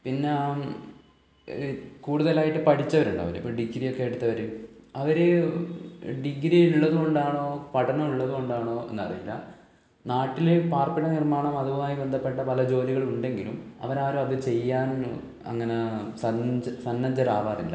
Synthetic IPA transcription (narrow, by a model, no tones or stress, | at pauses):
pinːe̞ | kuːɽuðɐlaːjiʈːɨpɐʈʰit͡ɕːɐʋɐɾuɳɖa̰ːʋɐ̰lḭpːoːɖiɡɾijokːe̞jeɽut̪ːɐʋɐɾeɐʋɐɾe | ɖiɡɾiuɭːɐðuɣo̞ɳɖaːɳo̞ːpɐʈʰɐnɐmuɭːɐðuɣo̞ɳɖaːɳo̞ːe̞̰nːɐ̰rḭjilːɐ̰ | naːʈːilepaːrpiɽɐnirmaːɳɐmɐðuʋumaːjibend̪ʱɐpːe̞ʈːɐpɐlɐd͡ʑo̞ːliɣɐɭuɳɖe̞ŋɡilumɐ̰ʋɐɾaːɾumɐðɨt͡ɕe̞jːaːn | ɐ̰ŋːɐnesɐsɐnːɐɲd͡ʑɐɾaːʋaːrḭlːɐ̰